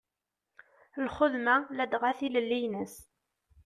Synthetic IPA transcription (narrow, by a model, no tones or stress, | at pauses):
lχʊðmælæd̪ʁaθiləlːijnəs